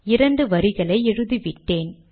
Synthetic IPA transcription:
ɪɾɐɳɖɯʋɐɾɪɣɐɭɐɪɛɻɯðiʋɪʈːeːn

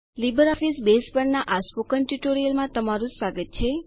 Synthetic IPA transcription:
libəɾɔfisbespəɾnaʔaspokənʈjuʈoɾijəlmãt̪əmaɾũsaɡət̪̚t͡ʃʰe

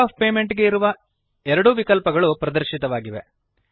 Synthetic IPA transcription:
aːp̚pe̞ːme̞ɳʈɡe̞iɾuʋɐ | ɛɾɐɽuʋikɐlpɐɡɐɭupɾɐd̪ɐɾʃit̪ɐʋaːɡiʋe̞̰

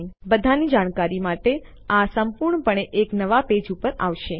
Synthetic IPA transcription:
bəd̪ʱanid͡ʒaɽ̃kaɾimaʈe | asəmpuɾɳpəɳ̃eʔeknəʋaped͡ʒupəɾa̰ʋʃe

